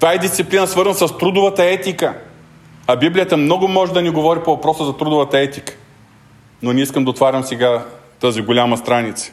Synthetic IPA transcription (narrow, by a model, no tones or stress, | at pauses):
t̪aid̪ist̪siplinəsvɤɾzənsɐst̪ɾud̪ʊvət̪ɐɛt̪ikə | ɐbiblʲijət̪əmnɔɡʊmɔʒɛd̪ɐniɡovɔɾipovɐpɾɔsəzɐt̪ɾud̪ʊvət̪ɐɛt̪ikə̥ | nonʲiiskəmd̪ɐoːt̪vaɾʲəmsɛɡat̪əziɡolʲamɐst̪ɾanit̪sə̥